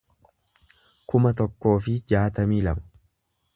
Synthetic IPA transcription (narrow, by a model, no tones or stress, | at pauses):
kʊmɐt̪ɔkːo̞ːfɪd͡ʒaːt̪ɐmiːlɐmɐ̥